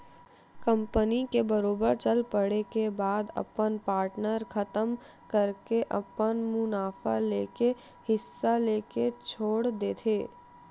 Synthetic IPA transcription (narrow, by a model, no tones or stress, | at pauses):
kə̃mpənikebəɾoːbəɾt͡ʃəlpəɽekebaːd̪ɐ̰pənpaːɾʈnəɾkʰɐt̪əm | kəɾkeʔɐpənmʊnaːfa̰leːke | hɪsːaleːket͡ʃʰoːɽd̪eːt̪ʰeː